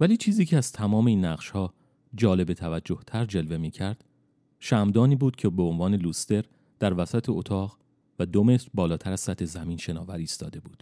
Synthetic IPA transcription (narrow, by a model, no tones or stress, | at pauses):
væliːt͡ʃʰiːziːcʰeæz̥t̪ʰæmɒːme̞iːnːæʁʃhɒː | d͡ʒɒːle̞bet̪ʰævæd͡ʒːo̞ht̪ʰæɾd͡ʒe̞lve̞miːcʰæɾd̪̥ | ʃæmd̪ɒːniːbuːd̪̥cʰe̞beonvɒːne̞luːst̪e̞ɾ | d̪̥æɾvæsæt̪ʰeot̪ʰɒːʁ | væd̪o̞me̞t̪ɾbɒːlɒːt̪ʰæɾæz̥sæt̪ʰːe̞zæmiːnʃe̞nɒːvæɾiːst̪ɒːd̪e̞buːd̪̥